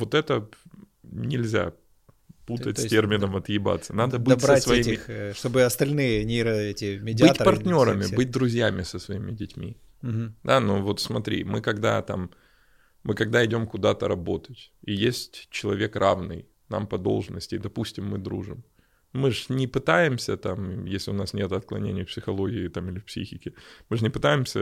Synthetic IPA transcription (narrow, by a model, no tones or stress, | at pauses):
vo̞t̪ɛt̪ə | nʲɪlʲzʲa̰ | put̪ətʲsʲtʲermʲɪnəmɐt̪jɪba̰t̪sːənad̪əbɨtʲsəsvɐimʲɪxʂt̪obɨɐst̪ɐlʲnɨjənʲɪɾɐɛtʲɪmʲɪdʲbɨt̪ʲpɐrt̪ʲnʲo̞ɾəmʲɪbɨt̚ʲd̪ɾʊzʲjamʲɪsəsvɐimʲɪdʲɪtʲmʲḭ | d̪anovo̞t̪smɐt̪ɾʲḭmɨkɐɡd̪a̰t̪a̰mː | ɨkɐɡ̚d̪aɪdʲo̞mkʊd̪at̪əɾɐbo̞t̪ətʲijesʲtʲt͡ɕːɪlˠɐvʲe̞krʔavnɨ̰j | na̰mpɐd̪o̞̰lˠʐnəsʲtʲɪd̪ɐpusʲtʲɪmːɨd̪ɾṵʐɨm | mɨʐnʲɪpɨt̪ajɪmsʲət̪amjesʲlʲɪʊnasnʲe̞t̪ʊɐt̪̚klˠɐ̰nʲḛnʲɪjfpsʲɪxɐlˠo̞ɡʲɪːt̪amɪlʲɪfpsʲḭxʲɪkʲɪmɨʐɨnʲɪpɨt̪ajɪmsʲə